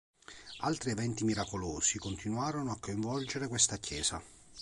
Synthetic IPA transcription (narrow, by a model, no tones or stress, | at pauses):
alt̪ɾievɛnt̪imiɾakoloːsikont̪inwaːɾonoakːoiɱvɔld͡ʒeɾekwest̪akːjɛːsa̰